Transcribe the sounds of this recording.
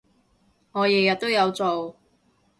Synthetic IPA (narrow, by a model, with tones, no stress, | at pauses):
ŋɔː˨˧jɪ˨˩ŋjɐ˨t̚t̪ːo˥wjɐ˨˧wt͡so˨w